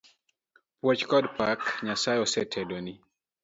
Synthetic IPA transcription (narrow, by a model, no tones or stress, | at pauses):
pwɔt͡ʃkɔdpakɲasajɔsɛtʰɛdɔni